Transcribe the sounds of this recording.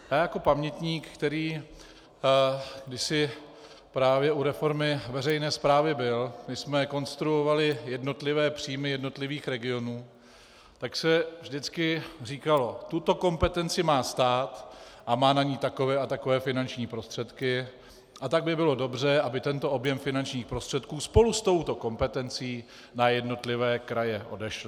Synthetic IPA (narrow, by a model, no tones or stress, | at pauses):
jaːjako̞pamɲɛt̪ɲiːkkt̪ɛɾiː | ɡdɪsɪ | pɾaːvjɛʔuɾɛfo̞ɾmɪvɛrɛjnɛːspɾaːvɪbɪlmɪsmɛko̞nst̪ɾuovalɪjɛdno̞t̪lɪvɛːpr̝̥iːjmɪjɛdno̞t̪lɪviːxɾɛɡɪo̞nuː | t̪aksɛvʒdɪt͡skɪr̝iːkalo̞t̪ut̪o̞ko̞mpɛt̪ɛnt͡sɪmaːst̪aːt̪ʔamaːnaɲiːt̪ako̞vɛːat̪akovɛːfɪnant͡ʃɲiːpɾo̞st̪r̝̥ɛt̪kɪ | ʔat̪aɡ̚bɪbɪlo̞do̞brɛʔabɪt̪ɛnt̪o̞ʔobjɛmfɪnant͡ʃɲiːxpɾo̞st̪r̥ɛt̪kuːspo̞lust̪o̞wt̪o̞ko̞mpɛt̪ɛnt͡siː | najɛdno̞t̪lɪvɛːkɾajɛʔo̞̰dɛʃlɪ